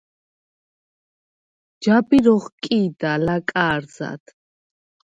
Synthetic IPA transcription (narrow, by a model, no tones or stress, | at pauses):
d͡ʒabiɾɔχkʼiːd̪alakʼaːɾza̰t̪ʰ